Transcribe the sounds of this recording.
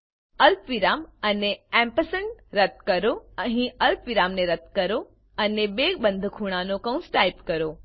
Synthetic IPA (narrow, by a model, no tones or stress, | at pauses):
ɐlpʋiɾaːmɐneɛ̃mpəsəɳɾɐt̪̚kɐɾoɐɦĩɐlpʋɪɾaːmneɾɐt̪̚kɐɾo | ɐnebeːkbə̃nd̪ʱkʰuːɽ̃ãnõkɐ̃ũnsʈaːɪpkɐɾoː